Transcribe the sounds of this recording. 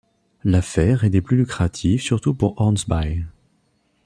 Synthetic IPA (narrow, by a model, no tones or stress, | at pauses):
lafɛʁɛd̪eplylykχat̪ʰifsyʁt̪upuʁɑʁnsbaj